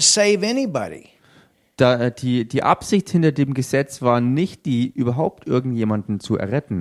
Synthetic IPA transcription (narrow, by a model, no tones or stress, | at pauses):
seɪvɛnibɑ̰ɾḭ | d̥adiːd̥iːʔa̰pz̥ɪçthɪntɐdeːmɡəzɛt͡sv̥aːɐnɪçt̚d̥iːʔyːbɐɦaʊp̚tʔɪɐɡŋ̩tjeːmandn̩t͡suɛ̰ɐʁɛtn̩